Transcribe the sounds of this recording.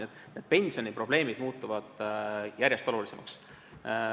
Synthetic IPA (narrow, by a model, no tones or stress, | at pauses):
et̪ːˑ | ned̪̥̚pe̞nʲsio̞nipro̞b̥le̞ːmid̪̥muːt̪ːˑuvɑd̪̥jæɾje̞st̪o̞lulise̞mʔɑ̰ks